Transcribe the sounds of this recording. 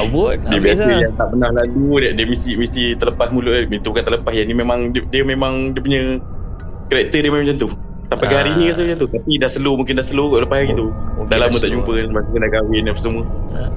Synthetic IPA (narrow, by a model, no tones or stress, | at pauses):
bʊt̚diəbiasəjaŋt̪aʔbənahlaludaʔdiəmisimisit̪ələpasmulʊʔladmint̪ukant̪ələpasjanimemaŋdiəmemaŋdiəp̬uɲə | kəɾɛk̚t̪ədiəmemãŋt͡ʃant̪u | sampajkaɦaɾinikansət͡ʃant̪ut̪apidahsəlumuŋk̬ɪndahsəluɡɔʔələpahjaɡit̪udalamət̪aʔd͡ʒumpənnmasukəndaʔɡawɪnapəsəmuə